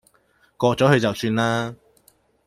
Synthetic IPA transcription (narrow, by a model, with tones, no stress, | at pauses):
kɔː˧t͡sɔː˨˥ɦɵ˨˧ɥt͡sɐ˨wsyː˧nlaː˥